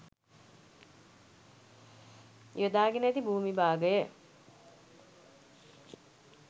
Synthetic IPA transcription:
ijod̪aːɡenəæt̪ibuːmibaːɡəjə

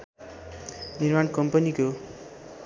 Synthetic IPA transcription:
nirmankʌmpʌniko

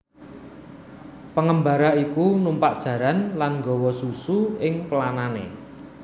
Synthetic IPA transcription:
pəŋəmbaɾaikunumpaʔd̥ʒ̥ä̤ɾanlanŋɡɔ̤wɔsusuɪŋpəlananḛ

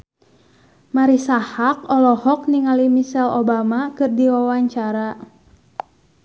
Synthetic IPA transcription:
maɾisahak̚ɔlɔhɔk̚niŋalimisɛlobamakɨrdiwawaɲt͡ʃaɾa

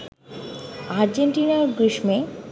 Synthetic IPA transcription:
aɾd͡ʑenʈinaɾɡɾiʃme

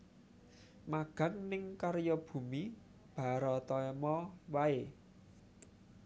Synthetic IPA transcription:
maɡ̥a̤ŋnɪŋkaɾjɔb̥ṳmi | b̥a̤ɾɔt̪ɔɛmɔwae

